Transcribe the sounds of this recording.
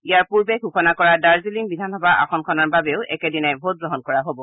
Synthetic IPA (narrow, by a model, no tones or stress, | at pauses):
ijaɹpuɹbɛɡɦuxɔnakɔɹadaɹziliŋbidʱanɔbaʔa̰xɔnkʰɔnaɹbabeʊʔɛ̰kɛdinajbʱot̚ɡɹɔɦɔnkɔɹaɦobɔ